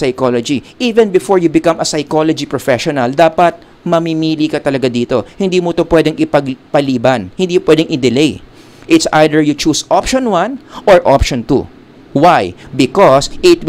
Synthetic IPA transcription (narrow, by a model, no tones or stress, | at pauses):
sɐjkolod͡ʒiʔiːvɛ̃nbɪfoɹjʊbɪkɐ̃mɐsɐjkolod͡ʒipɹɔfɛʃɔnɐld̪aːpɐt̪̚ | mɐmimiːlikɐt̪ɐlɐɡad̪iːt̪o̞hɪnd̪iːmot̪opwɛd̪ɛŋɪpɐɡpɐliːbɐnhɪnd̪iːjopwɛːd̪ɛŋʔɪd̪ɛlej | ʔɪt̪sʔajd̪ɛɹjʊt͡ʃuːsʔopʃɔnwanʔoɹʔo̰pʃɔnt̪ṵ | wajbɪkosʔɪt̪w